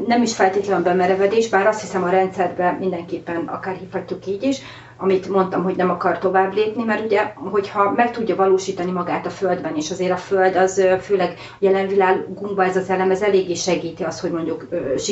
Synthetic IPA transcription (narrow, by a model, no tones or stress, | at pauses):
nɛmiʃfɛlt̪eːt̪lɛnɒbɛmɛɾɛvɛd̪eːʒbaːɾɒst̪hisɛmɒɾɛnt̪sɛrbɛmind̪ɛŋkeːpːɛnɒ̰kaːrhifhɒcːukiːɟiʃ | ɒmit̪mo̞nt̪ɒmɦo̞ɟnɛmɒkɒrt̪o̞vaːbleːpnimɛruɟɛɦo̞chɒmɛk̚t̪uɟːɒvɒloːʃiːt̪ɒnimɒɡaːt̪ɒføld̪bɛneːʃɒzeːɾɒføld̪ɒzføːlɛɡ | jɛlɛɱvilaːɡːuŋbɒɛzɒzɛlɛmɛzɛleːɡːeːʃɛɡiːt̪iɒst̪ho̞ɟmo̞ɲɟukːʃi